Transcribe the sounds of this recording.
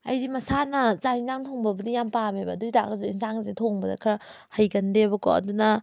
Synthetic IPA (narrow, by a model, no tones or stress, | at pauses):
ɐ̰jdimɐsanɐzainzaŋtʰoŋbɐbɐdijampamebɐ̰dujdaɡɐzuinsaŋzetʰoŋbɐdɐ̰kʰɾɐ | hɐjɡɐndebɐkɔ̰ɐ̰dunɐ